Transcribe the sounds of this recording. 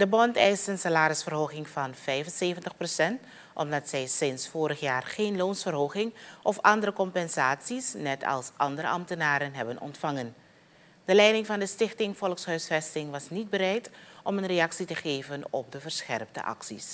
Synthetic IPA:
d̥əbɔntɛjstənsalaːɾɪsfərɦoːχɪŋvɑnvɛjvənseːvəntəχprosɛnt | ʔɔmdɑtsɛjsɪnsfoːɾəχjaːrχeːnloːnsfərɦowχɪŋʔɔfɑndəɾəkɔmpɛnzaːtsisnɛtʰɑ̰lˠsʔɑndəɾə̰ʔɑmtənaːɾənɦɛbənɔ̰ntfɑŋən | d̥əlɛjdɪŋvɑndəstɪχtɪŋvɔlˠksɦœɥsfɛstɪŋʋɑsnid̚bəɾɛjtʔɔmənrejɑksitəχeːvənɔ̰p̚dəvəɹsχɛ̰rp̚də̰ʔɑ̰ksḭs

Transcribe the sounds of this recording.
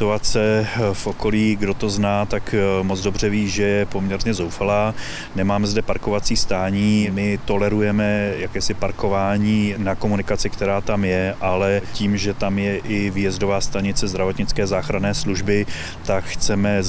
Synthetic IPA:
t̪uat͡sɛfʔo̞ko̞liːɡdo̞t̪o̞znaːt̪akmod͡zdo̞br̝ɛviːʒɛjɛpo̞mɲɛɾɲɛzo̞wfalaː | nɛmaːmɛzdɛpaɾko̞vat͡siːst̪aːɲiːmɪt̪o̞lɛɾujɛmɛjakɛːsɪpaɾko̞vaːɲiːnako̞munɪkat͡sɪkt̪ɛɾaːt̪amjɛʔalɛciːmʒɛt̪amjɛʔɪvjɛzdo̞vaːst̪aɲɪt͡sɛzd̪ɾavot̪ɲɪt͡skɛːzaːxɾanɛːsluʒbɪ | t̪akxt͡sɛmɛ

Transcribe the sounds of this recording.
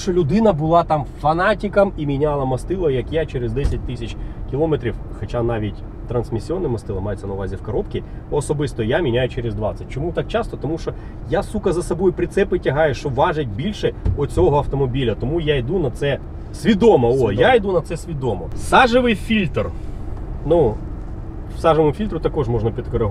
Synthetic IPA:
t͡ʃɔlʲʊd̪ɪnɐbʊlˠɑt̪ɑmfɐnɑtʲikɐmimʲinʲalˠɐmɐst̪ɪlˠɔjjɐkjat͡ʃɛɾezd̪ɛsʲɐt̚ʲt̪ɪsʲɐt͡ʃʲkʲɪlˠɔmet̪ɾʲiwxɐt͡ʃanɑʋʲitʲ | t̪ɾɐnsmʲisʲiɔnːɪmɐst̪ɪlˠɐmɑjet͡sʲːɐnɐwʋazʲiwkɐɾɔpkʲɪɔsɔbɪst̪ɔjamʲinʲajʊt͡ʃɛɾezd̪ʋɑsʲːɐtʲt͡ʃɔmut̪ɑk̚t͡ʃɑst̪ɔt̪ɔmuʃt͡ʃɔ | jasukɐzɐsɐbɔjʊpɾʲɪt̪sɛpɪtʲɐɦɑjʊʃt͡ʃɔʋɑʒet̚ʲbʲilʲʃɛɔt͡sʲɔɦɔɐft̪ɔmɔbʲilʲɐt̪ɔmujaid̪unɐt̪sɛ | sʲʋʲid̪ɔmɔɔjaid̪unɐt̪sɛsʲʋʲid̪ɔmɔsɑʒɪʋɪjfʲilʲt̪r | nu | sɑʒɪʋʊmʊfʲilʲt̪ɾʊt̪ɐkɔʐmɔʐnɐpʲid̪kɔɾɪɦ

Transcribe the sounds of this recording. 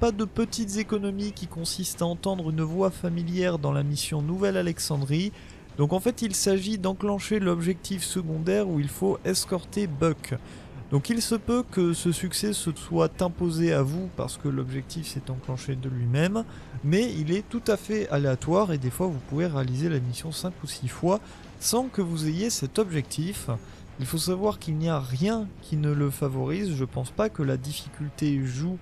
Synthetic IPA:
pad̪əpət̪it̪zekɔnɔmikʲikɔ̃sist̪aɑ̃t̪ɑ̃d̪ʁynvwafamiljɛʁd̪ɑ̃lamisjɔ̃nuvɛlalɛksɑ̃d̪ʁi | d̪̥ɔ̃kɑ̃fɛt̪ilsaʒid̪ɑ̃klɑ̃ʃelɔbʒɛk̚t̪ifsəɡɔ̃d̪ɛʁuilfoʔɛskɔʁt̪ebœk | d̪ɔ̃kilsəpøkəsəsyksɛsəswat̪ɛ̃pozeavupa̰ʁsə̥kəlɔbʒɛk̚t̪ifsɛt̪ɑ̃klɑ̃ʃed̪əlɥimɛmː | ɛilɛt̪ut̪afɛaleat̪waʁed̪efwavupuveʁealizelemisjɔ̃sɛ̃kusifwa | sɑ̃kəvuzejesɛt̪ɔbʒɛk̚t̪ʰif | ilfosavwaʁkilniaʁjɛ̃kʲʰinələfavɔʁizʒəpɑ̃spakəlad̪ifi̥kʲylt̪eʒu

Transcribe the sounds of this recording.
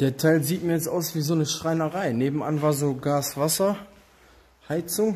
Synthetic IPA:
d̥eːɐtʰaɪlziːtmiɐjɛt͡stʔa̰ʊsv̥iːzoːnəʃʁ̥aɪnɐʁaɪneːbm̩a̰nvaːɐzoːɡaːsv̥asɐ | haɪt͡sʊŋ

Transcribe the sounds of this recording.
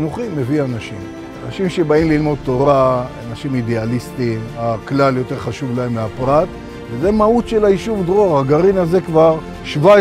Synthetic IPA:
nuχime̞vianaʃim | anaʃimʃebaimlilmo̞d̪̚t̪o̞ʁaanaʃimid̪ealist̪imaklaljo̞t̪e̞ʁχaʃuvlaemːeapʁat̪ | vezemaut̪ʃelaiʃuvd̪ʁoaχaɡaʁinaze̞kvaʁ | ʃva

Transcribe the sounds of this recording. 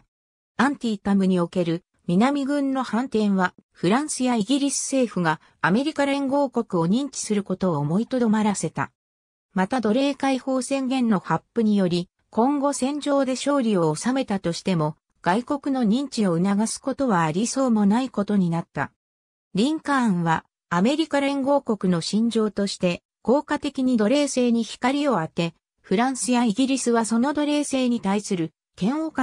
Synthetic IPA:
ãnt̪ʲiːt̪amɯ̟ɲ̟io̞ke̞ɾɯ̟ | mʲinamʲiɡɯ̟̃nːo̞hãnt̪ẽ̞ɰ̃βaɸɯ̟ɾãɰ̃sɨjaiɡʲiɾʲisɨ̥se̞ːɸɯ̟ɡaː | me̞ɾʲikaɾẽŋɡo̞ːko̞kɯ̟o̞ɲ̟ĩɲ̟t͡ɕi̥sɨɾɯ̟ko̞t̪o̞ːmo̞it̪o̞d̪o̞maɾase̞t̪a̰ | mat̪ad̪o̞ɾe̞ːkaiho̞ːsẽ̞ŋɡẽ̞nːo̞hapːɯɲ̟ijo̞ɾʲi | kõ̞ŋɡo̞sẽ̞ɲ̟d͡ʑo̞ːd̪e̞ɕo̞ːɾʲio̞ːsame̞t̪at̪o̞ɕi̥t̪e̞mo̞ | ɡ̥aiko̞kɯno̞ɲ̟ĩɲt͡ɕio̞ɯ̟naɡasɨ̥ko̞t̪o̞βaːɾʲiso̞ːmo̞naiko̞t̪o̞ɲ̟inat̪ːa̰ | ɾʲĩŋkãːɰ̃βaː | me̞ɾʲikaɾẽŋɡo̞ːko̞kɯ̟no̞ɕĩɲ̟d͡ʑo̞ːt̪o̞ɕi̥t̪e̞ | ko̞ːkat̪e̞kʲiɲ̟id̪o̞ɾe̞ːse̞ːɲ̟içi̥kaɾʲio̞at̪e̞ | ɸɯ̟ɾãɰ̃sɨjaiɡʲiɾʲisɨβaso̞no̞d̪o̞ɾe̞ːse̞ːɲ̟it̪aisɨɾɯ̟ | kẽ̞ɰ̃oka

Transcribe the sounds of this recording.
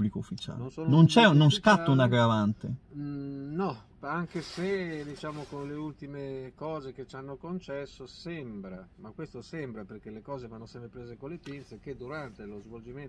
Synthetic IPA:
blikoufːit͡ʃa̰ːlnont͡ʃɛnonskat̪ːounaɡɾavant̪e | nɔ | aŋkesed̪it͡ʃaːmokonleult̪imekɔːzeket͡ʃanːokont͡ʃɛsːosɛmbɾamakwest̪osembɾaperkelekɔːzevanːosɛmpɾepɾeːzekolːepint̪sek̟ed̪uɾant̪elozvold͡ʒimen

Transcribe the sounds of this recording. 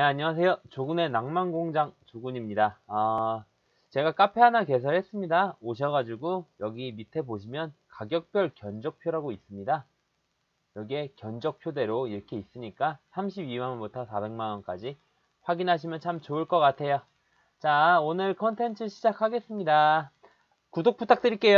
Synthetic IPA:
neaɲiwas̬ʰe̞jot͡ɕoɡune̞naŋmaŋɡoŋd͡ʑaŋt͡ɕoɡuɲimɲidaʌ | t͡ɕe̞ɡak͈apʰe̞ɦanake̞s̬ʰʌɭhɦe̞s͈ɯmɲidaoɕ̬ʰʌɣad͡ʑiɡojʌɡimitʰe̞boɕʰimjʌnkaɡjʌk̚p͈jʌɭkjʌnd͡ʑʌk̚pʰjoɾaɡois͈ɯmɲida | jʌɡie̞kjʌnd͡ʑʌk̚pʰjode̞ɾoiɾʌkʰe̞is͈ɯɲik͈asʰamɕʰibimanʌnbutʰʌsʰabe̞ŋmanʌnk͈ad͡ʑi | ɸwaɡinɦaɕ̬ʰimjʌnt͡ɕʰamt͡ɕoɯɭk͈ʌk͈atʰe̞jo | t͡ɕaonɯɭkʰʌntʰe̞nt͡ɕʰɯɕʰid͡ʑakʰaɡe̞s͈ɯmɲida | kudok̚p͈ʰutʰak̚t͈ɯɾik͈e̞jo

